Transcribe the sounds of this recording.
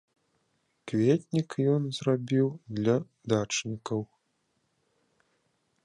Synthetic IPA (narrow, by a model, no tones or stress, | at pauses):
kvʲet̪ʲnʲikjɔnzrabʲiwd̪lʲɐ | d̪at͡ʂnʲikɐw